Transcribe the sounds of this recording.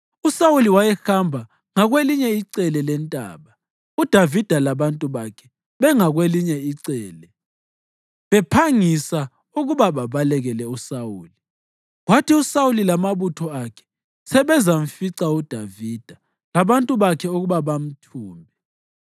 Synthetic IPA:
usawuliwajɛxambʱa | ŋaɣweliɲɛiǀɛlɛlɛntʼa̰ːβa | ud̥ʱavid̥ʱalaβantʼuβakʰɛ | βɛŋaɣweliɲɛiǀɛːlɛ | βɛpʰaŋisa | uɣuβaβaβalɛɣɛlɛusawuːli | ɣwatʰiusawulilamaβutʰɔakʰɛ̥ | sɛβɛzaɱ̩fiǀaud̥ʱavid̥ʱa | laβantʼuβakʰɛuɣuβaβam̩tʰuːmbʱɛ

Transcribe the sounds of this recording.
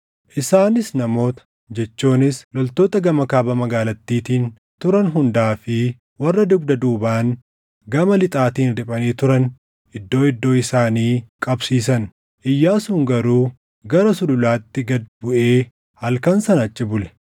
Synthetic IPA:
ʔɪsaːnɪsnɐmo̞ːt̪ɐ̥ | d͡ʒɛt͡ʃːuːnɪslɔlt̪o̞ːt̪ɐɡɐmɐkaːbɐmɐɡaːlɐt̪ːiːt̪iːn | t̪ʊɾɐnɦʊnd̪aːfɪ | wɐrːɐd̪ʊɡd̪ɐd̪uːbaːn | ɡɐmɐlɪt̪ʼaːt̪iːnɾɪpʼɐniːt̪ʊɾɐn | ɪd̪ːo̞ːɪd̪ːo̞ːɪsaːniːkʼɐbsiːs̬ɐn | ʔɪjːaːsuːŋɡɐɾuː | ɡɐɾɐsʊlʊlaːt̪ːɪɡɐd̪bʊʔe̞ː | hɐlkɐnsɐnɐt͡ʃʼːɪbʊlɛ̥

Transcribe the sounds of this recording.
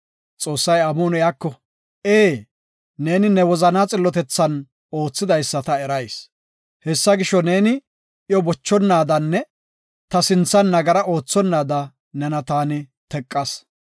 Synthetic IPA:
t͡sʼo̞ːsːɐjɐmoːnɔjaːkːɔ | eː | ne̞ːnɪnɛwɔzɐnaːt͡sʼɪlːɔt̪ɛt͡sːɐn | o̞ːt͡sːɪd̪ɐjsːɐt̪ɐɛɾɐjs | hɛsːɐɡɪʃːɔne̞ːnɪ | ʔɪjɔbɔt͡ʃːɔnːaːd̪ɐnːɛ | t̪ɐsɪnt͡sːɐnːɐɡɐɾɐʔo̞ːt͡sːɔnːaːd̪ɐ | nɛnɐt̪aːnɪt̪ɛkʼːɐs

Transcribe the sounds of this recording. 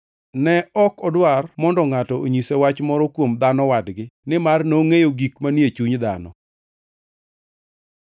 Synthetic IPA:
nɛɔkɔdwarmɔndɔŋatɔoɲisewat͡ʃmɔɾɔkwomd̪anɔwadɡɪnɪmarnoŋejoɡikmanjet͡ʃuɲd̪a̰nɔ̰

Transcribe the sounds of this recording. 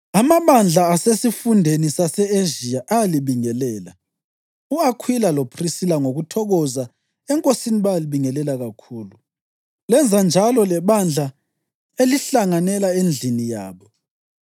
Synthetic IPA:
amaβand͡ɮʱaːsesifundʱenisasɛeʒiaʔajaliβiŋɛlɛːla | uakʰwilalopʰrisilaŋoɣutʰɔɣɔza | ɛŋkʼosiniβajliβiŋɛlɛlaɣakʰuːlu | lɛnd͡zʱand͡ʒʱalɔlɛβand͡ɮʱa | eliɬaŋanɛlaend͡ɮʱinija̰ːβɔ

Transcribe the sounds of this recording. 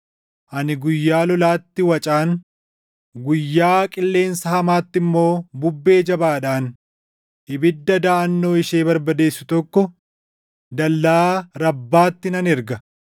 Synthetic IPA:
ʔɐnɪɡʊjːaːlɔlaːt̪ːɪwɐt͡ʃʼaːn | ɡʊjːaːkʼɪlːe̞ːnsɐhɐmaːt̪ːɪmːo̞ːbʊbːe̞ːd͡ʒɐbaːᶑaːn | ɪbɪd̪ːɐd̪ɐʔɐnːo̞ːɪʃeːbɐɾbɐd̪e̞ːsːʊt̪ɔkːɔ | d̪ɐlːaːɾɐbːaːt̪ːɪnɐnɛɾɡɐ

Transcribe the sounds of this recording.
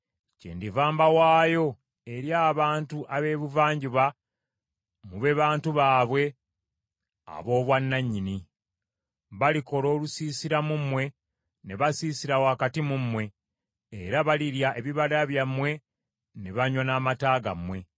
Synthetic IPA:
cḛːndivaːmbawaːjo̞ | e̞ɾjaːβaːntuʔaβe̞βuvaːɲɟiβa | muβe̞βaːntuβaːβwe̞ | a̰βo̞ːβwanːaɲːini | βaliko̞ɾo̞ːlusiːsiɾamumwe̞ | ne̞βasiːsiɾawoakatimumwe̞ː | ɾaβaliɾjaʔeβiβaɾaβjamwe̞ | ne̞βaɲonaːmataːɡa̰mwe̞

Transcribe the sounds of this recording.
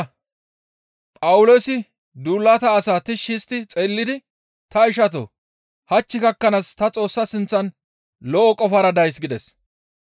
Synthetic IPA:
pʼɐwʊloːsɪ | d̪uːlːɐt̪ɐːsaːt̪ɪʃist̪ːɪt͡sʼeːlːɪd̪ɪ | t̪ɐɪʃɐt̪̬o̰ | hɐt͡ʃːɪkɐkːɐnast̪ɐt͡sʼo̞ːsːɐsɪnt͡sːɐn | lɔʔɔkʼɔfɐɾɐd̪ɐjs̬ɡɪd̪ɛs

